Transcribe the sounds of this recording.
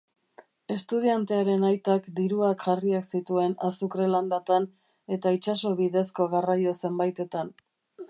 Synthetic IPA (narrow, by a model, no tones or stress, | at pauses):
e̞st̪uðiant̪e̞aɾe̞najt̪akd̪iɾuakʝariaksit̪ue̞nasukɾeland̪at̪an | e̞t̪ait͡ʃaso̞βiðe̞sko̞ɣarajo̞se̞mbajt̪e̞t̪an